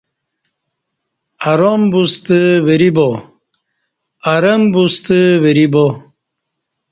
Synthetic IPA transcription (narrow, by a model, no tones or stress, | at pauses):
aɾombust̪ɨweɾibo | aɾəmbust̪ɨweɾibo